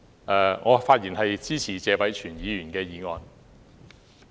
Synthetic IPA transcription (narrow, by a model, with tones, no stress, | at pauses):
ʔɛː˨˧ŋʔɔː˨˧faː˧t̚jiː˨˩nhɐ˨jt͡siː˥t͡sʰiː˨˩t͡sɛː˨˧wɐ˨˥jt͡ʃʰyː˨˩njiː˨˧jyː˨˩nkɛː˧jiː˨˧ŋɔː˨˧n